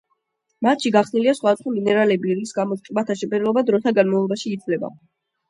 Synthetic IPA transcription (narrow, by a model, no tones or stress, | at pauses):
mat̪ʃiɡaχsniliasχwad̪asχwaminɛɾalɛbiɾisɡamɔsqʼimat̪ʰaʃɛpʼɛɾɛlɔbad̪ɾɔt̪ʰaɡanmavlˠɔbaʃiːd̪zʰvlɛba̰